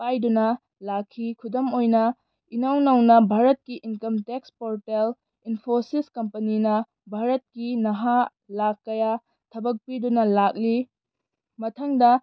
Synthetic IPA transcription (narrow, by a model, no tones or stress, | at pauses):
pajdunɐ | lakʰːikʰudomojnɐ | inawnɐwnɐbʱaɾɐt̚kiʔinkɐmtekspoɾtel | inpʰosiskɐmpɐninɐ | bʱaɾɐt̚kinɐɦa | lakːɐja | tʰɐbɐk̚pidunɐlak̚li | mɐtʰɐŋdɐ